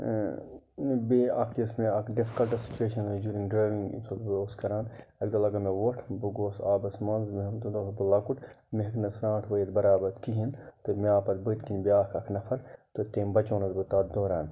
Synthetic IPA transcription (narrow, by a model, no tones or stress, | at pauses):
beɐ̰kʰɐsmeɐkɖɪfi̥kɐlʈɐsi̥t͡ʃueːʃɐnd͡ʒuːɾĩŋɡɖɾaːjʋĩŋɡ̰tʰoboskɐɾaːnɐɡd̪ɐlɐɡɐmeʋoʈʰbuɡoːsaːbɐsmɐnzmd̪ud̪obulɐkuʈmeɦɐknɐsɾãːʈʰʋɐjɐt̪bɐɾaːbɐt̪kiɦint̪omeaːpɐt̪̚bɨt̪kinbiaːkʰɐkʰnɐfʰɐɾt̪ot̪eːmbɐt͡ʃõːnɐt̪bɨt̪aːt̪d̪oːɾaːn